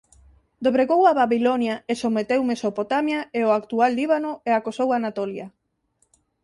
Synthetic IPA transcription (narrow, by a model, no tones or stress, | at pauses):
d̪oβɾeɣowaβaβilonjaesomet̪ewmesopot̪amjaeoakt̪ualːiβanoeakosowanat̪olja